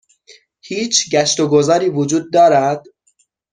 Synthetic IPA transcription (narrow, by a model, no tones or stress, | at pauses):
hiːt͡ʃʰɟæʃt̪oɡo̞zɒːɾiːvod͡ʒuːd̪̚ːɒːɾæd̪̥